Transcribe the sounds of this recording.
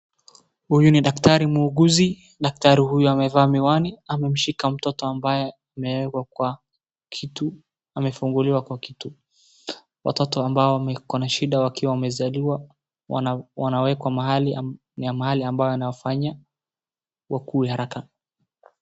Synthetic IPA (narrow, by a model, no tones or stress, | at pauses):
hujuniɗaktaɾimuːɡuzi | ɗak̚taɾihujuamɛvaːmiwaniamɛm̩ʃikam̩tɔtɔambajɛamɛwɛkwakwa | kʰitu | amɛfuŋɡuliwakwakitu | wa̰tɔtɔambaɔwamɛkɔnaʃiɗawakiwawamɛzaliwa | wanawɛkwamaɦali | njamahaliambajɔanaɔfaɲa | wakuːhaɾaka